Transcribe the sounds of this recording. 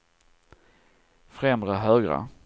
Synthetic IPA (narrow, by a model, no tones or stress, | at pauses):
fɾɛmɾəɦœːɡɾə̰